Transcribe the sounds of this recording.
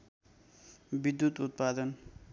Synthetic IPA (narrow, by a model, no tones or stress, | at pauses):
bid̪jut̪ut̪̚pad̪ʌn